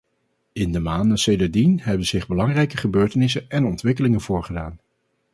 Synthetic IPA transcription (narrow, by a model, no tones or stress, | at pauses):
ɪndəmaːndənsejdəɹdinɦɛbənz̥ɪχbəlɑŋrɛjkəχəbøːɹtənɪsənɛnɔntʋɪk̬əlɪŋənv̥ʊːɹχədaːn